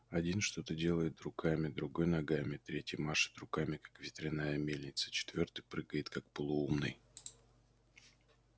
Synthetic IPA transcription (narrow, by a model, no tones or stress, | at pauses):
ɐdʲinʂt̪o̞t̪ədʲe̞lˠəjɪt̪rʊkʰamʲɪd̪ɾʊɡo̞jnɐɡamʲɪt̪ɾʲetʲəmaʂɨ̥t̪rʊkamʲɪkḁkvʲɪt̪ɾʲɪnajəmʲelʲnʲɪt̪sə̥t͡ɕɪ̥t̪vʲo̞rt̪ɨjpɾɨɡəjɪt̪kak̚pəlˠʊumnɨ̰j